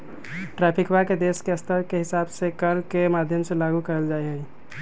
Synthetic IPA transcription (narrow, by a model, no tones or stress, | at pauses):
ʈɾɛːpʰɪkwaked̪eːskeəst̪ʰəɾkeɦɪsaːbsekəɾkemaːd̪ʱjəmselaːɡukəɾəld͡ʒaːiɦɛi